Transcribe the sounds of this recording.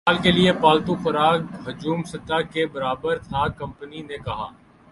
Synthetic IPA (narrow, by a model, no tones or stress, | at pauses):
aːlkeliepaːlt̪ũfɐɾaːɡɦɐd͡ʒuːmsɐt̪akebɐɾaːbəɾt̪ʰakɐ̃mpəninekɐɦa̰ː